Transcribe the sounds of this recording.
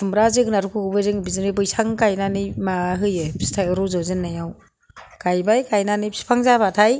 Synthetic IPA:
tumɾazɯɡɯnaɾukʰɯɡɯbɯzɯŋbizɯnɯbɯjsʰaŋkajnanɯjmaɦɯjɯpʰsi̥tʰajɾuzɔwzɯnːajaw | kajbajkajnanɯjpsi̥pʰaŋzabatʰaj

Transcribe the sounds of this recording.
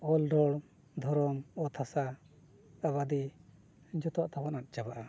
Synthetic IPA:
ɔlɖɔɽ | d̪ʱɔɾɔmɔt̪ʰasa | aβad̪i | d͡ʒɔt̪ɔaʔt̪ʰabanat̪̚ˀd͡ʒabaʔa

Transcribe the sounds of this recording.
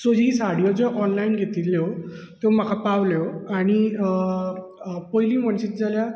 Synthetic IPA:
sod͡ʑĩsaɽ̤ijod͡zɔʔɔnlainɡʱet̪iːlːjot̪em̤akʰapaʋljɔaɽ̃i | pɔjliːməɳɕiːt̪̚d͡zalja

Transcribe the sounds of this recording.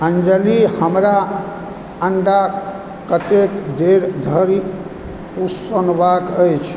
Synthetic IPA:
ənd͡ʒəlihəmɾa | əɳɖa | kət̪ekd̪eɾd̪ʱəɾi | usonbakəjt͡ʃʰ

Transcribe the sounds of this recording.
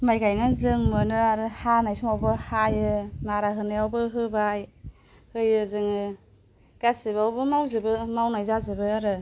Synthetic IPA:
majɡajnazɯŋmɯnɯaɾɯhanajsumawbɯhajɯnaɾaɦɯnajawbɯɦɯbaj | hɯjɯzɯŋɯ | ɡ̥asibawbɯmawzɯbɯmawnajzazɯbɯaɾɯ

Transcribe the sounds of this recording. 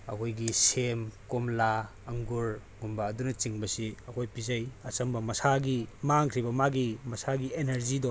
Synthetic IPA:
ɐ̰kʰojɡisemkomla | ɐŋɡuɾ | ŋumbɐːdunɐt͡ʃiŋbɐsiɐkʰojpizajɐt͡ʃɐmbɐmɐsaɡimaŋkʰɾibɐmaɡimɐsaɡieneɾzidɔ

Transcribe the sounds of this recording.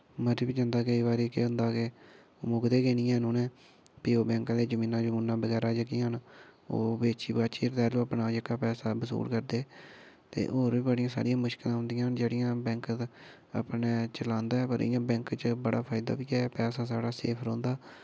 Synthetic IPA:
məɾiːbiːd͡ʒãːnd̪aːkəiːbaːɾeːkḛːɦʊ̃nd̪aːkeː | oːmʊɡd̪eːɡeːniːɛ̃ːnũːnɛ̃ː | piːoːbɛ̃ːŋkãːd̪eːd͡ʒəmĩːnãːd͡ʒomuːnːaːbəɡɛːɾaːd͡ʒəɡĩəno̰ːbeːt͡ʃiːbat͡ʃiːɾt̪ɛːlõːpnaːd͡ʒəkaːpɛːsaːbəsṵːɾkəɾd̪eː | t̪ḛːʔoːɾbiːbəɽɪjãːsa̰ːɽɪjãːmʊʃkɪlãːɦʊ̃nd̪ɪjãːnd͡ʒeːɽɪjãːbɛ̃ːŋkt̪ | a̰pneːt͡ʃəlãːnd̪aːɛːpəɾɪ̰jãːbɛ̃ːŋkt͡ʃbəɽa̰ːpʰaːɪd̪a̰ːbiːɛːpɛːsaːsaːɽaːsḛːpʰɾõːnd̪aː

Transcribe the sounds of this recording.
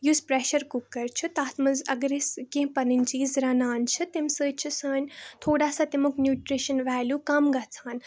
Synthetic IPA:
juspɾeʃɐɾkukɐɾt͡ʃʰut̪aːt̪mɨzɐɡɾeskẽpɐɾinʲt͡ʃiːzɾɐnaːnt͡ʃʰɨt̪emsəːt͡ʃʰisəːnʲt̪ʰoːɽaːsat̪imuknjuːʈɾiʃɐnʋaːljukɐmɡɐt͡sʰaːn

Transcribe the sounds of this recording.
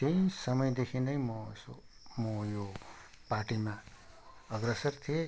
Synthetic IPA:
t̪ej̃sʌmʌjd̪ekʰĩnʌjmo̰so̰ | mojo | paʈima | ʌɡɾesʌrt̪ʰie

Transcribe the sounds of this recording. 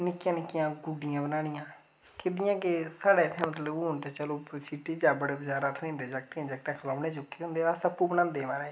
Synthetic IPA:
nɪkːɪjãːnɪkːɪjãːɡʊɖɪjãːbənaːɽ̃ɪjãː | kɪd̪ɪjãːkɪsaːɽeːt̪ʰːãːmət̪ləuʊnt̪eːt͡ʃəloːsiːʈiːd͡ʒaːbəɽeːbəd͡ʒaːɾaːt̪ʰʊĩːnd̪eːd͡ʒak̚t̪ẽd͡ʒək̚t̪ãːkʰəlaːʋneːt͡ʃʊkːeːɦõnd̪eːaːsəpːuːbənãːnd̪eːmaːɾɛː

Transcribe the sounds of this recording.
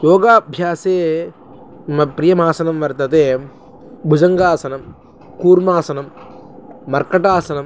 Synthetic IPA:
joːɡaːbʱjaːseː | mɐpɾɪjɐmaːsɐnɐmʋɐɾt̪ɐt̪eː | bʱud͡ʒɐŋɡaːsɐnɐm | kuːɾmaːsɐnɐmː | ɐɾkɐʈaːsɐnɐm

